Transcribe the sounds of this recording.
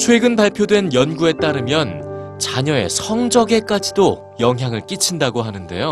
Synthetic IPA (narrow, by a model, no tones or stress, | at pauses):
t͡ɕʰwe̞ɡɯnpaɭpʰjodwe̞njʌnɡue̞t͈aɾɯmjʌnt͡ɕaɲʌe̞̰sʰʌŋd͡ʑʌɡe̞k͈ad͡ʑido | jʌŋɦjaŋɯɭk͈it͡ɕʰindaɡoɦanɯnde̞̰jo